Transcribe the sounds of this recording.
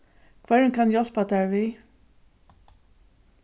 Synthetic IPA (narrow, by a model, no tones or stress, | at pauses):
kʰvɛɹnkʰanjɔl̥pat̪æːɹʋiː